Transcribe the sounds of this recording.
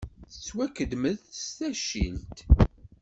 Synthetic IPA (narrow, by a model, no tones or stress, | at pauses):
θət͡sːwækəd̪məðst̪æʃḭlt̪